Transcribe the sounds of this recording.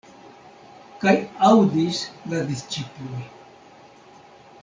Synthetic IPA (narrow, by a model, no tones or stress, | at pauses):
kajawdislad̪ist͡ʃiploj